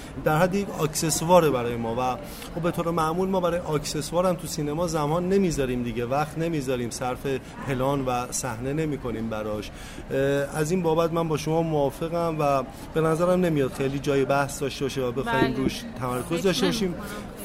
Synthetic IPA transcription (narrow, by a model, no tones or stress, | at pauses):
d̪æɾhæd̪ːijecʰɒːcse̞svɒːɾebæɾɒːjemɒːvæ | xobe̞t̪ʰoːɾemæmuːlmɒːbæɾɒːjeʔɒːcse̞svɒːɾæmt̪ʰusiːnemɒːzæmhɒːnːe̞miːzɒːɾiːmd̪iɟevæxt̪ne̞miːzɒːɾiːmsæɾfe̞ | pʰe̞lɒːnvæsæhne̞ne̞miːkʰo̞niːmbæɾɒːʃ | æziːnbɒːbæt̪̚mænbɒːʃomɒːmoːfe̞ɣæmvæ | b̥e̞næzæɾæmne̞mijɒːd̪̥xeliːd͡ʒɒːjebæhsd̪ɒʃt̪e̞bɒʃevæbe̞xɒːhiːmɾuːʃt̪ʰæmæɾkʰo̞zd̪ɒʃt̪ebɒʃiːm